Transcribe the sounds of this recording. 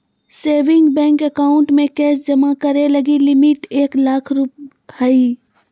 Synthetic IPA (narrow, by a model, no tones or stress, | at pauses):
seːʋɪ̃ŋɡbɛ̃ːŋkəkaːʊ̃ɳʈmẽkɛːsd͡ʒɐmakəɾelɐɡilɪmɪʈeːklaːkʰɾup | hɐi